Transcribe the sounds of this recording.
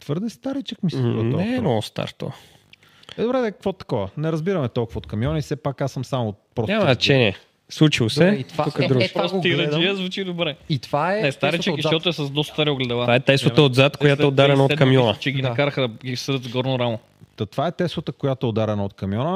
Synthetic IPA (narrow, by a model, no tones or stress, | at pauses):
t̪vɤɾd̪ɛst̪aɾit͡ʃəkmistnɔɛnɔst̪a̰ɾt̪o̰ɔ̰ | ɛd̪obɾɛd̪ɛkkvɔt̪ɐ̥kɔvənɛɾɐzbiɾɐmɛt̪ɔlˠkʊvɐot̪kɐmjɔnisɛpakasəmsamopɾɔsamɐt͡ʃɛniɛ | slˠut͡ʃilˠosɛit̪vaukd̪ɾupɔsiɾɐiəzvut͡ʃid̪obɾɛit̪vaɛnɛst̪aɾit͡ʃəiʃʃtɔt̪oɛsɐzd̪ɔst̪t̪aɾioɡlɛd̪ɐvavaɛt̪ɛsɐəod̪zat̪kojat̪ɛod̪aɾɛnɐot̪kɐmjɔnət͡ʃɛɡinɐkaɾəxəd̪ɐɡʲisɾt̪zɡɔɾnoɾamo | t̪ɐt̪ovaɛt̪ɛslˠɐt̪əkojat̪oɛod̪aɾɛnəot̪kɐmjɔnə